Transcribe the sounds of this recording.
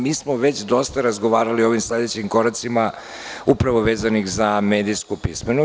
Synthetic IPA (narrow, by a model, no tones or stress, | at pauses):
miːsmoʋe̞t͡ɕd̪o̞st̪aɾazɡo̞ʋaːɾaliooʋimsle̞d̪et͡ɕimko̞ɾat̪sima | upɾaʋoʋeːzanixzameːd̪iskupismenu